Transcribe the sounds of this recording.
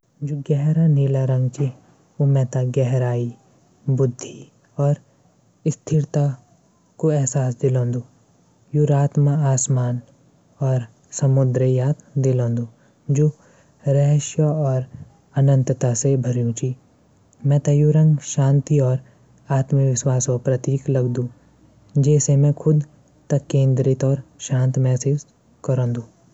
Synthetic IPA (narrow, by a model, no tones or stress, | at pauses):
d͡ʒoɡɛɦɾaneːlaɾɐ̃ŋɡt͡ʃʰi | omɛ̃ːt̪aɡɛɦɾaːi | bʊd̪ʱːi | ɔːɾ | ɪst̪ʰɪɾt̪a | koɛɦsaːs̬d̪ɪlõːnd̪u | juɾaːt̪məaːsmaːn | ɔːɾ | sɐmʊd̪ɾəjaːt̪d̪ɪlõːnd̪uː | d͡ʒoː | ɾɛɦʃjəɔːɾ | ɐnə̃nt̪t̪asebʱɐɾjũt͡ʃʰiː | mɛ̃ːt̪ɐjuɾɐ̃ŋɡʃaːnt̪iɔːɾ | aːt̪məkʋɪʃwaːsõpɾɐt̪iːklɐɡd̪ũː | d͡ʒɛːsemɛ̃kʰʊd̪ | t̪ɐkːẽːnd̪ɾɪt̪ɔːɾʃãːnt̪mɛːsɪz | kɐɾõːnd̪ũː